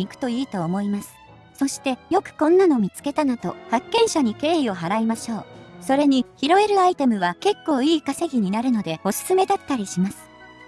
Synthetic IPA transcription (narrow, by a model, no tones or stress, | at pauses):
ikɯ̟̥t̪o̞iːt̪o̞ːmo̞imasɨ̥ | so̞ɕi̥t̪e̞jo̞kɯ̟̥kõ̞nːano̞mʲit͡sɨ̥ke̞t̪anat̪o̞̰hakːẽ̞ɰ̃ɕaɲ̟ike̞ːio̞ɦaɾaimaɕo̞ːso̞ɾe̞ɲ̟içiɾo̞e̞ɾɯ̟ait̪e̞mɯ̟βake̞kːo̞ːiːkaseɡʲiɲ̟inaɾɯ̟no̞d̪e̞o̞sɨ̥sɨme̞d̪at̪ːaɾʲiɕimasɨ̥